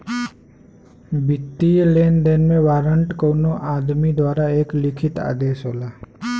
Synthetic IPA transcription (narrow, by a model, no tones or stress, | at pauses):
bɪt̪ːileːnd̪eːnmẽʋaːɾəɳʈkoːnoʔaːd̪mid̪waːɾaeːklɪkʰɪt̪a̰ːd̪eːʃɦoːlaː